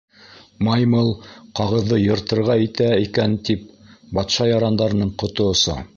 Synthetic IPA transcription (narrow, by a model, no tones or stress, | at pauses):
mɑjmɤlˠqɑʁɤ̆ðːɤjɤ̆ɾt̪ɤ̆ɾʁɑit̪æikænt̪ip̚bɑt̪ʃɑjɑɾɑnd̪ɑɾɤ̆nɤɴqŏt̪ŏŏsɤ̰